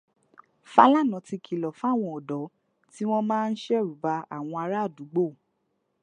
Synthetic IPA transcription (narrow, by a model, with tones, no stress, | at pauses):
fa˧˦la˦˨nã˨˦ti˧kʰi˨lɔ˨fa˦˨w̃ɔ̃˧ɔ˨dɔ˨˦ | ti˦w̃ɔ̃˦mãː˦˧n̩˦ʃɛ˦˨ɾu˨˦ba˧a̰˦˨w̃ɔ̃˧a˧ɾa˦˨du˨˦ɡ͡bo˦˨